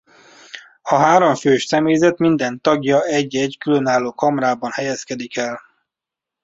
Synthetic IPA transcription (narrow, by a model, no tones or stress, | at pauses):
ɒɦaːɾoɱføːʃsɛmeːzɛt̪mind̪ɛnt̪ɒɡjɒɛɟːɛɟkylønaːloːkɒmɾaːbɒnhɛjɛskɛd̪ikɛl